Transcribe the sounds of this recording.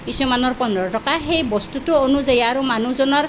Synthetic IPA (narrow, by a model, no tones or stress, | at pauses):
kisumanɔrpɔnɔɾɔʈɔkaɦejbɔst̪utuɔnud͡zajaɾumanud͡zɔnɔɾ